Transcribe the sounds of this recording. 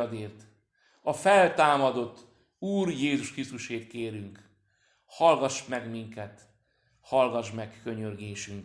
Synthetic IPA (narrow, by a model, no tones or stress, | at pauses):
d̪eːrt̪ | ɒfɛlt̪aːmɒd̪o̞t̪ː | uːrjeːzuʃkrist̪uʃeːt̪keːɾyŋk | hɒlɡɒʃmɛɡmiŋkɛt̪ | hɒlɡɒʒmɛkːøɲørɡeːʃyŋk